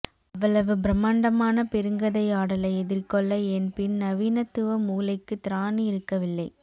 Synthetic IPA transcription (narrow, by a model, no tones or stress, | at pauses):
ɐʋːɐɭɐʋɯbɾɐmːaːɳɖɐmaːnɐpɛɾɯŋɡɐðɐɪaːɽɐlɐɪɛðɪrkɔɭːɐɛnpɪnnɐʋiːnɐt̪ːɯʋɐmuːlɐɪkːɯt̪ɪɾaːniɪɾɯkːɐʋɪlːɐɪ